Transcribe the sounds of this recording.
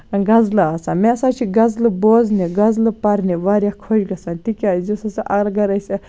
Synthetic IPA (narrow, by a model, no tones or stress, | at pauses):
ɡɐzlɨasaːmeɐsaːt͡ʃʰiɡɐzlɨboːzniɡɐzlɨpɐɾniʋaːɾʲjakʰod͡ʒɡɐsaːnt̪ikʲaːzisɐsɐʔɐɾɡɐɾɐsʲe